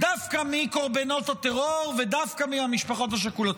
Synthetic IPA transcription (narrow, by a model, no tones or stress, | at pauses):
d̪afkamiko̞ʁbeno̞t̪at̪eʁoʁved̪afkamiamiʃpaχo̞t̬haʃ̬akulot̪